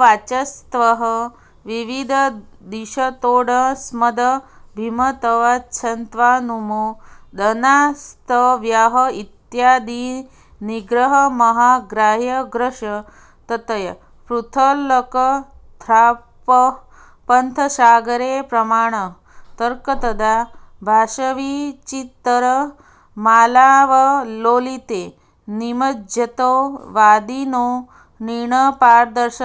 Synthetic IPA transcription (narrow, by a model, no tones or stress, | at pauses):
ʋat͡ʃɐst̪ʋɐɦə | ʋiʋid̪ʱəd̪iʃɐt̪oːɽɐsmɐd̪əbʱimɐt̪ɐʋatːt͡ʃʰɐnt̪ʋaːnumod̪ɐnast̪ʰəʋjaɦɐit̪jaːd̪iː | niɡɾəɦɐmɐɦaɡɾaːɦjɐɡɾɐʂɐ | t̪ɐt̪ɐjɐ | pɾut̪ʰəlɐkə | d̪ʱɾaː | pə | pɐnt̪ʰəʃaːɡɐɾeːpɾɐmaːɽ̃ə | t̪əɾkət̪ɐd̪ʱabʱaːʃɐʋit͡ʃit̪ːəɾə | maːlaːʋɐloːlit̪eː | nimɐd͡ʒjɐt̪oːʋaːd̪inoː | niɳəpaːɾd̪ɐɾʃə